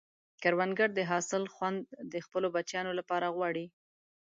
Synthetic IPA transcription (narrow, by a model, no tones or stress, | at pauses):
kaɾwanɡaɾd̪əɦɑsɪlxwand̪ːəxpəlobat͡ʃjɑnolapɑɾaɣwɑɽi